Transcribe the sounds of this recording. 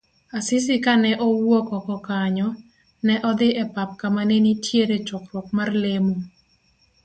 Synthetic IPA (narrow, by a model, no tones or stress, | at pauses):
asɪs̬ɪkanɛʔɔwokɔkɔkaɲɔ | nɛʔɔd̪ɪʔɛpap̚kamanenitjeɾet͡ʃʊkɾwɔkmarlemo